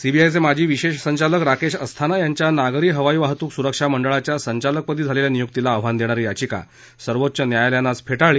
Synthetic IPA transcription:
sibiajt͡semad͡ʑʱiːʋiɕeɕsəɲt͡ɕaləkɾakeɕəst̪ʰanajaɲt͡ɕjanaɡɾiːɦəʋajiʋaɦt̪uːksuɾəkʂaməɳɖəɭat͡ɕjasəɲt͡ɕalək̚pəd̪ʱiːd͡zʱaleljanijuk̚t̪ilaːʋʋand̪eɽ̃aɾijat͡ɕiːka̰ | səɾʋot̪ːɕənjajaljanasfeʈaɭiː

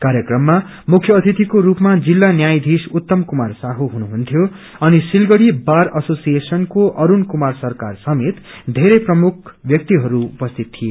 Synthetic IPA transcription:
kaɾjʌkrʌmːa | mukʰjʌːt̪ʰit̪ikoɾupmad͡zilːanjajd̪ʱisut̪ːʌmkumarsaɦuɦunuɦunt̪ʰjo | ʌnisilɡʌɽibaɾʌsosijesʌnkoʔʌɾunkumarsʌrka̰rsʌmet̪d̪ʱeɾʌjprʌmukʰbjʌk̚t̪iɦʌɾuupʌst̪ʰit̪tʰːie

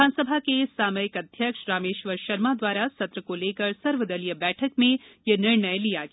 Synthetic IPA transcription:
aːnsəbʱakesaːməjɪkɐd̪ʱjəkʃɾaːmeːʃʋəɾʃɐɾmad̪ʋaːɾasɐt̪ɾəkoleːkəɾsɐɾʋəd̪ɐlijəbɛːʈʰəkmẽjenɪɾɳəjlijaɡ

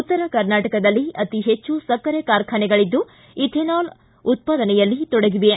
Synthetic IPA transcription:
ut̪ːɐɾɐkɐɾnaːʈɐkɐd̪ɐlːiʔɐt̪iɦet͡ʃːusɐkːɐɾekaːɾkʰɐnɛɡɐɭid̪ːu | it̪ʰenaːl | ut̪̚paːd̪ɐnɛjɐlːit̪ɔɽeɡiʋe

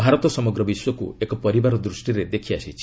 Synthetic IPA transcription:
bʱaɾɔt̪ɔsɔmɔɡɾɔbiswɔkṵekɔpɔɾibaɾɔd̪ɾusʈiɾed̪ekʰiasit͡ʃʰi̥

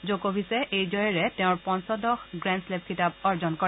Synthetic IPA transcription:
zokobʱisɛʔejzɔjɔɹɛtɛ̃ʊ̃ɹpɔnsɔdɔxɡɹɛnslep̚kʰitab̚ɔɹzɔnkɔ

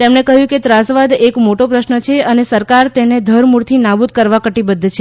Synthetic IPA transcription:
t̪emɳekəɦjũket̪ɾasʋad̪ekmoʈopɾəʃnət͡ʃʰeənesəɾkaɾt̪ened̪ʱəɾmuɾt̪ʰinabud̪kəɾʋakəʈibəd̪ʱːt͡ʃʰe

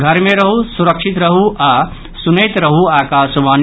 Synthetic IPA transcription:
ɡʱɐɾmeɾɐɦusuɾɐkʃit̪ɾɐɦuʔa | sunejt̪ɾɐɦuaːkaːsʋaːn

